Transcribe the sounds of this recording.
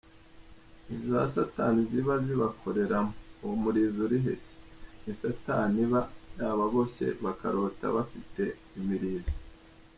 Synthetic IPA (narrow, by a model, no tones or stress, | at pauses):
iza̰sataniziβaziβakʰo̞ɾe̞ɾamomuɾiːzoɾiɦḛse̥nisataniβajaβaβoçe̞̰βaka̰ɾo̞ta̰βafite̞ | imiɾiːzo